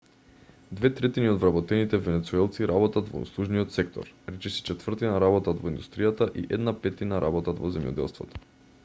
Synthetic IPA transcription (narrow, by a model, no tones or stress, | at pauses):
d̪vɛt̪ɾɛt̪iniod̪vɾabɔt̪ɛnit̪ɛvɛnɛt̪suɛlˠt̪siɾʔabɔt̪at̪vɔ̰ṵslˠuʒnijɔt̪sɛkt̪ɔ̰ɾɾɛt͡ʃɛsi̥t͡ʃɛt̪vrt̪inaɾabɔt̪at̪vɔind̪ust̪ɾijat̪aʔiʔɛd̪napɛt̪inaɾʔa̰bɔt̪at̪vɔzɛmjɔ̰d̪ɛ̰lˠst̪vɔ̰t̪ɔ̥